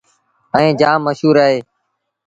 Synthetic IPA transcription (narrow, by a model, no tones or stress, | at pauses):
ə̃ẽːd͡ʒãːmːəʃɦuːɾaːɦeː